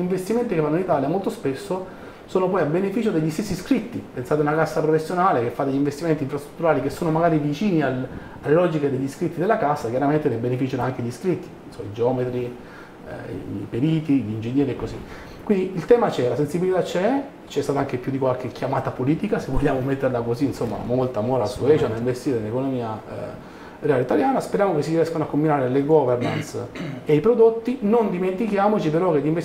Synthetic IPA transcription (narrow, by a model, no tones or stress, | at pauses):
ʎiɱvest̪iment̪ikevanːoinit̪aːljamolt̪ospesːo | soːnopɔjabenefiːt͡ʃod̪eʎːist̪esːiskɾit̪ːipensaːt̪eunakasːapɾofesːjonaːlekefːad̪eʎːiɱvest̪iment̪iɱfɾast̪ɾu̥t̪ːuɾaːlik̟esːoːnomaɡaːɾivit͡ʃiːnial | alːelɔd͡ʒiked̪eʎːiskɾit̪ːid̪elːakasːakjaɾament̪enebenefit͡ʃanoaŋkeʎːiskɾit̪ːi̥nsoma̰id͡ʒeɔmet̪ɾḭ | ḭpeɾiːt̪iʎiːnd͡ʒenːjɛːɾiekːozi | kːwind̪iilt̪ɛːmat͡ʃɛlasensibilit̪at͡ʃːɛ | t͡ʃɛst̪aːt̪aaŋkepjud̪ikwalk̟ekʰjamaːt̪apoliːt̪ikasevːoʎːaːmomet̪ːeɾlakoziːnsomːa̰molt̪amoɾasuɛt͡ʃanːaiɱvest̪iːɾenlekonomiːa̰ | reaːleit̪aljaːnaspeɾjaːmokesːiɾiɛskanoakːombinaːɾeleɡɔverna̰nsejpɾod̪ot̪ːinond̪iment̪ikjaːmot͡ʃipeɾɔk̟elːiɱve